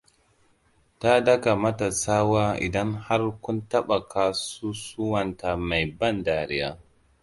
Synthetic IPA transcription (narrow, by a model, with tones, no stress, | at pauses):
ta˦dɐ˦ka˨mɐ˦ta˨saː˦waː˦ʔɪ̰˨dɐ˦ŋha˦rkʷʊ˦ntɐ˦ɓa˨ka˨su˦su˦wɐ˨nta˨ma˨jbɐ˦ndaː˨ɾɪ˦ja̰ː˦